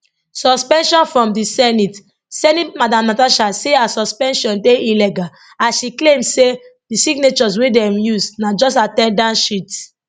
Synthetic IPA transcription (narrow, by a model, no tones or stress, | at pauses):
sɔspɛ̃nʃɔ̃nfɹɔ̃mdisɛnit | sɛnitmadãmnataʃaseasɔspɛ̃nʃɔ̃ndeilɛɡa | aʃiklẽmsedisiɡnet͡ʃɔz̬wedɛ̃mjusnad͡ʒɔsatɛ̃ndãnʃit